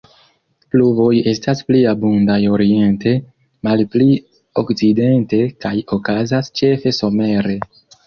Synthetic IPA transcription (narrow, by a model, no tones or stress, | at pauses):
pluvo̞je̞staspliabundajo̞ɾie̞nte̞ | malpli | o̞kt͡side̞nte̞kajo̞kazast͡ʃe̞fe̞so̞me̞ɾe̞